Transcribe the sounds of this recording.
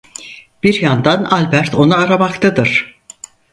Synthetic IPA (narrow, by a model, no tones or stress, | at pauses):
b̥iɾjand̪analʲbæɾt̪ʰo̞naaɾamakt̪ʰad̪ɯɾ̥